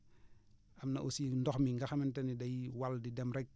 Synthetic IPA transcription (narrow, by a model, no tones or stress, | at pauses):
amnaʔosindɔxmiŋɡaxamintanidajwaldidɛmɾɛk̚